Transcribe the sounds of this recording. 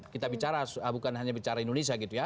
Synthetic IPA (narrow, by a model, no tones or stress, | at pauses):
kit̪abit͡ʃaɾaabukanɦaɲabit͡ʃaɾaindones̬iaɡit̪uja